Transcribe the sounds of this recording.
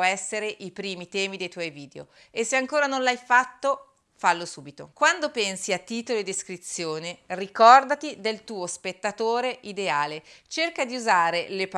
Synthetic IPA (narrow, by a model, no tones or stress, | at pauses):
ɛsːeɾeʔipɾiːmit̪ɛːmid̪ejt̪wɔjviːd̪eo̰ | esːeaŋkoːɾanonlajfat̪ːo | falːosuːbit̪o̰kwand̪opɛnsiat̪ːiːt̪olod̪iskɾit̪sːjoːnerikɔrd̪at̪id̪elt̪uːospet̪ːat̪oːɾeʔid̪eaːlet͡ʃerkad̪iuzaːɾelep